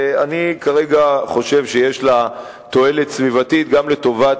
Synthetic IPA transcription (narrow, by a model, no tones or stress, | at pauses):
anikaʁe̞ɡaχo̞ʃe̞vʃejeʃla | t̪o̞e̞let̪svivat̪it̪ɡamle̞t̪o̞vat